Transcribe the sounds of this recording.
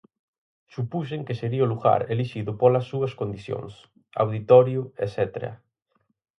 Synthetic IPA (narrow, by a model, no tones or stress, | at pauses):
supus̬eŋkɪseɾiɐoluɣa̰ɾeliʃiðʊpolɐsːuɐskond̪iθjo̰ŋs | a̰wðit̪ɔɾjʊḛsɛt̪eɾɐ̰